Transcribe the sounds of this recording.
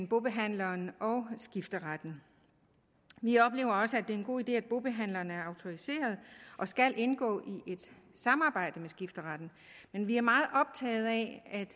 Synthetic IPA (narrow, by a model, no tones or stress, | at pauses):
nb̥o̝b̥e̝ɦæn̰lɐːnɒʊsɡ̥ifd̥əʁɑd̥n̩ | ʋiɒ̽b̥le̝ːʊɐɒ̽səæd̥e̝ɐe̝nɡ̥o̝̰ːid̥e̝̰ːæd̥̚b̥o̝b̥e̝ɦæn̰lɐːnæɐɑ̈ʊt͡sʰo̝ise̝̰ːɐð̞ˠʔɒ̽sɡ̥ælʔe̝nɡ̥ɔ̰̽ːʔiʔe̝d̥ | sɑ̈mɑ̈ːb̥ɑ̈ɪ̰d̥əmesɡ̥ifd̥əʁɑd̥n̩ | menʋiæɐmɑ̈ːð̞̩ˠʔɒ̽b̥̚t͡sʰɛ̰ːð̩ˠɛæd̥